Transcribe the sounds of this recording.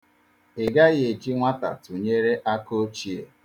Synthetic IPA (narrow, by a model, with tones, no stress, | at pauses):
ɪ˨ɡa˦ɣe˨d͡ʒi˦ŋʷa˦ta̰˨tu˨ɲe˦ɾe˦ʔa˦ko˦t͡ʃi˦ḛ˨